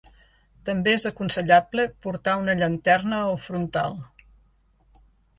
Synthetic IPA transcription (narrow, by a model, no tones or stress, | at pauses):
t̪əmbeezəkunsəʎablepuɾt̪aunəʎənt̪ɛrnəolfɾunt̪a̰lˠ